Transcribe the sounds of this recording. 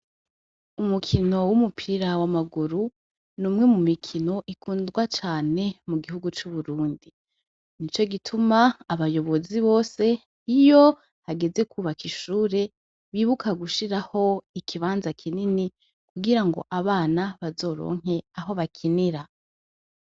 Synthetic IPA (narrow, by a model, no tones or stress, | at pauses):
umukʰino̞wumupʰiɾawamaɡuɾu | nuːmŋe̞mumikʰino̞ʔikʰuːndɡwat͡ʃaːne̞muɡihuɡut͡ʃuβuɾuːndi | nit͡ʃo̞ɡitʰumaːβajo̞βo̞ziβo̞ːse̞ | ijo̞ | haɡe̞ze̞kʰuβakiʃuːɾe̞ | βiːβukʰaɡuʃiɾaho̞ikʰiβaːnzakʰinini | kʰuɡiɾaŋɡo̞̰ʔaβaːnaβazo̞ːɾo̰ːŋ̥e̞aɦo̞βakʰiniɾa